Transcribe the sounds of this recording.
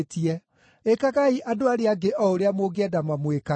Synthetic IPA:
tiɛ | ekaɣaiʔadoaɾeaɡeʔɔoɾeamoɡeɛdamamweka

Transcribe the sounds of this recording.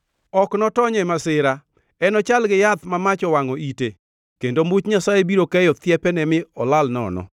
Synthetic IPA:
ɔknɔtɔɲɛmasɪɾa | ɛnɔt͡ʃalɡɪjat̪mamat͡ʃɔwaŋɔite | kendomut͡ʃɲasajebiɾokɛjɔt̪jɛpɛnɛmɪɔlalnɔ̰nɔ̰

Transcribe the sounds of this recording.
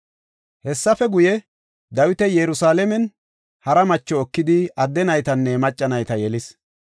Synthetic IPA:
hɛsːɐfɛɡʊjɛ | d̪ɐwɪt̪ɛjɛɾʊsaːlɛmɛn | hɐɾɐmɐt͡ʃːɔːkːɪd̪ɪɐd̪ːɛnɐjt̪ɐnːɛmɐt͡ʃʼːɐnɐjt̪ɐjɛlɪs

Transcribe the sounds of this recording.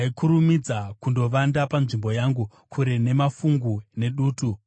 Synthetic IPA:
ikuɾumid͡zakundo̞ʋandapanʐimbo̞jaːŋɡu | kʰuɾe̞ne̞mafuŋɡune̞ɗuːtu

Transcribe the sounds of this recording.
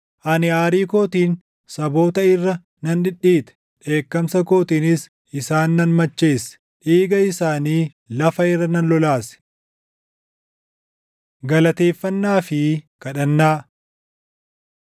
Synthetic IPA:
ʔɐnɪaːɾiːko̞ːt̪iːn | sɐbo̞ːt̪ɐɪrːɐ | nɐnᶑɪᶑːiːt̪ɛ̥ | ᶑe̞ːkːɐmsɐko̞ːt̪iːnɪs | ɪsaːnːɐnmɐt͡ʃːe̞ːs | ᶑiːɡɐɪsaːniː | lɐfɐɪrːɐnɐnlɔlaːsɛ̥ | ɡɐlɐt̪e̞ːfːɐnːaːfɪkɐᶑɐnːaː

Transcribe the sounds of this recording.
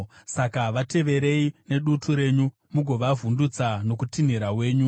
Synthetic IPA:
sakaʋate̞ʋe̞ɾe̞ine̞ɗutʰuɾe̞ɲu | muɡʱo̞ʋavʱundut͡sano̞kutin̤iɾawe̞ːɲu

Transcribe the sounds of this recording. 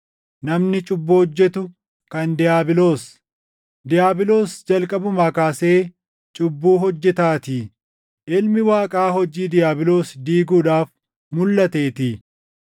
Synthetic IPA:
nɐmnɪt͡ʃʼʊbːʊhɔd͡ʒːɛt̪ʊ | kɐnd̪ɪjaːbɪlo̞ːs | d̪ɪjaːbɪlo̞ːsd͡ʒɐlkʼɐbʊmɐkaːseː | t͡ʃʼʊbːuːɦɔd͡ʒːɛt̪aːt̪ɪ | ʔɪlmɪwaːkʼaːhɔd͡ʒiːd̪ɪjaːbɪlo̞ːsd̪iːɡuːᶑaːf | mʊlːɐt̪eːt̪ɪ

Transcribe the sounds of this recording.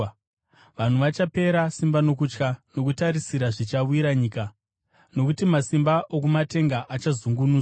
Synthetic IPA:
ʋan̤uʋat͡ʃape̞ɾasimbanokut͡ʃkano̞k̬utaɾisiɾaʐit͡ʃauiɾaɲiːka | no̞kutimasimbaʔokumate̞ŋɡaʔat͡ʃazuŋɡunuːz

